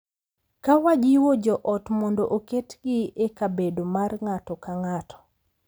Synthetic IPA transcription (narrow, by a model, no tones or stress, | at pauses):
kawad͡ʒiwod͡ʒɔʔɔtmɔndoʔoketɡɪekabedomarŋatɔkaŋatʰɔ̥